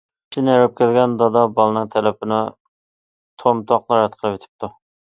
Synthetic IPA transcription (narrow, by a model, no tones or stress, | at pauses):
ʃinæɾɪp̚kʲælɡʲɛnd̪ɑd̪ɑbɑlˠɨnɨŋt̪ʰɛlɛpɪnɪ | t̪ʰomt̪ʰɑqlˠɑɾɛt̪qʰəlˠɨpet̪ʰɪ̥p̚t̪ʰu